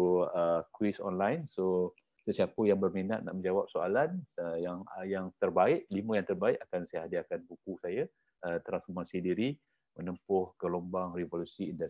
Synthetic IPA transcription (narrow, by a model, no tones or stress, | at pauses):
əkwisɔ̰nlajnso | səsiapəjaŋbərminat̪̚na̰ʔmə̃ɲd͡ʒawap̚soa̰lanəjaŋjaŋt̪ərbaɪʔliməjaŋt̪ərbaɪʔakansəɦadiakanbukusaja | ət̪ɾansfɔrmasidiɾi | mənəmpʊhɡəlombaŋrivolusiːnda